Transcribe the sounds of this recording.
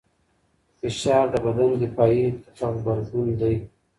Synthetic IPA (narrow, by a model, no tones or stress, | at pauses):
fɪʃɑːɾd̪əbad̪and̪əpɑjeʈ͡ʂaɣbaɾzɡund̪aj